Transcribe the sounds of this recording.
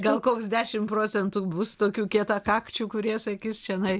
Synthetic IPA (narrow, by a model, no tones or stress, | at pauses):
ɡɐlˠkoːksd̪ʲæːʃʲɪmpɾoːt͡sʲɛnt̪uːbʊst̪oːkʲuːkʲiɛt̪ɑkɑːkt͡ʃʲuːkʊɾʲiɛsɐkʲiːst͡ʃʲɛɐnɐɪ